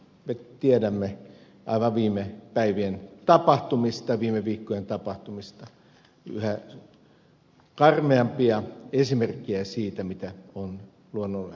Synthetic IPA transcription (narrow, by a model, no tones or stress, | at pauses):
met̪iedæmːe | ʔɑ̰iʋɑʋiːmepæiʋient̪ɑpɑht̪umist̪ɑʋiːmeʋiːkːojent̪ɑpɑht̪umist̪ɑ | y̰hæ | kɑrmeɑmpiɑesimerkːiæsiːt̪æmit̪æon | luonːolːe